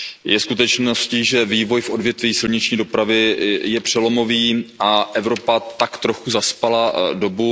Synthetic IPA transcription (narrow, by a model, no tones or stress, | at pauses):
jʔɛskut̪ɛt͡ʃnosciːʒɛviːvo̞jfʔo̞dvjɛt̪viːsɪlɲɪt͡ʃɲiːdo̞pɾavɪjɛpr̝̥ɛlo̞mo̞viːʔaʔɛvɾo̞pat̪akt̪ɾo̞xuzaspalado̞bu